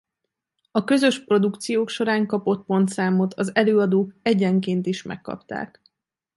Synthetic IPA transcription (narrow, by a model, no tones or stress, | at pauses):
ɒkø̞zø̞ʃpro̞d̪ukt̪sijoːkʃo̞ɾaːŋkɒpo̞t̪̚po̞nt̪saːmo̞t̪ʰɒzɛløːɒd̪oːkɛɟɛŋkeːnt̪iʃmɛ̰kːɒ̰pt̪a̰ːk